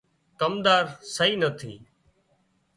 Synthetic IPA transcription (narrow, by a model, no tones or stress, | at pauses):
kəmd̪aːɾsəiːnət̪ʰḭː